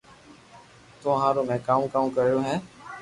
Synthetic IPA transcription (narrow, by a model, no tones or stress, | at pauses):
t̪oɦãːɾoːmɛ̃ːkaːũkaːũːkəɾijoːɦɛ̃ː